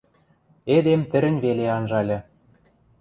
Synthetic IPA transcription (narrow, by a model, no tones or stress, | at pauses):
ed̪emt̪ɘ̆ɾɘ̆nʲβeleɑnʒɑlʲɤ̆